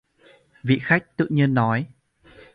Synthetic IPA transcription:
vḭ˧˨xa˦˥jk̟̚t̪ɨ̰˧˨ɲɨ˧ənːɔ˨˦j

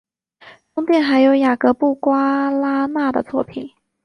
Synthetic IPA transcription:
t̪ʊ˥ŋt̪jɛ˥˩nxa˧˥ɪjo˧˥ʊja˨˩kɤ˧˥pu˥˩kwa˥la˥na˥˩d̪ə̰˩t͡swɔ˥˩pʰi˨˩˦n

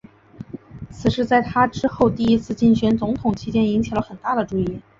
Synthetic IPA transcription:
t͡sʰɹ̩˨˩ʂɻ̩˥˧t͡sa˥˩ɪt̪ʰa˥ʈ͡ʂɻ̩˥xo˥˧ʊt̪i˥˩i˥t͡sʰɹ̩˥˧t͡ɕi˥˩ŋɕɥɛ˧˥nt͡sʊ˧˥ŋt̪ʰʊ˨˩ŋt͡ɕʰi˥t͡ɕjɛ˥ni˧˥ŋt͡ɕʰi˨˩lə˦xə˨˩nt̪a˥˩d̪ə˩ʈ͡ʂu˥˧i˥˩

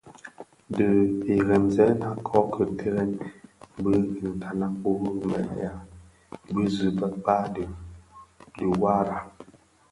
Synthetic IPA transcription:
də˨e˨ɣɛ˨mzɛ˦na˦kʰɔ˦kʰə˨tʰe˦ɣɛ˦nbə˦˨n̩˨ta˨na˦ko˦ɣmɛ̰˨ja˨ | bə˦zɨ˨bə˨k͡pa˦də˨ | di˨wa˦ɾa˨

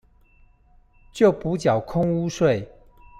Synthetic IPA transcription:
t͡ɕjo˥˨ʊpu˨˦t͡ɕjɑ˨˩ʊkʰʊ˥ŋu˦ʂwe˥˨ɪ

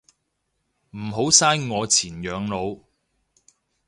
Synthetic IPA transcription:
m̩˨˩ɦo˨˥wsaː˥jŋɔː˨˧t͡sʰiː˨˩njœː˨˧ŋlo˨˧w

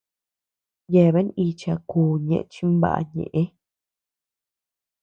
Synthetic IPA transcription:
je˧˨βe˦i˧t͡ʃa˧kuː˧˨ɲḛ̃˧ʔt͡ʃi˦mba̰˦ʔa̰˧ɲḛ̃˨ʔẽ˦

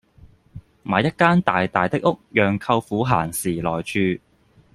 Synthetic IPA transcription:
maː˨˧jɐ˥t̚kaː˥nt̪aː˨jt̪aː˨˩jt̪ɪ˥k̚ʊ˥k̚jœː˨ŋkʰɐ˧wfuː˨˥ɦaː˨˩nsiː˨˩lɔː˨˩jt͡ʃʰyː˧

